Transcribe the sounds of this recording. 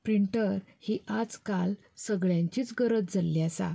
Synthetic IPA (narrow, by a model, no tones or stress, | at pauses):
pɾiɳʈəɾhiʔad͡zkal | səɡɭjãɲt͡ɕiːt͡sɡəɾət̪̚d͡zalːjasa̰